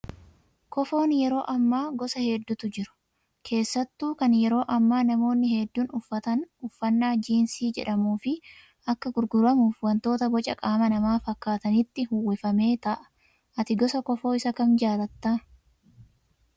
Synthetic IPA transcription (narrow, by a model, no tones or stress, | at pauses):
kɔfo̞ːnjɛɾo̞ːʔɐmːaːɡɔsɐhɛd̪ːʊt̪ʊd͡ʒɪɾʊ̥ | kʰe̞ːsːɐt̪ːuːkɐnjɛɾo̞ːʔɐmːaːnɐmo̞ːnːɪhɛd̪ːuːnʊfːɐt̪ɐnʊfːɐnːaːd͡ʒiːnsiːd͡ʒɛ̰ᶑɐmuːfɪ | ɐkːɐɡʊɾɡʊɾɐmuːfwɐnt̪o̞ːt̪ɐbɔt͡ʃʼɐkʼaːmɐnɐmaːfɐkːaːt̪ɐnɪt̪ːɪhʊwɪfɐme̞ːt̪ɐʔɐ̥ | ʔɐt̪ɪɡɔsɐkɔfo̞ːɪsɐkɐnd͡ʒaːɾɐt̪ːaː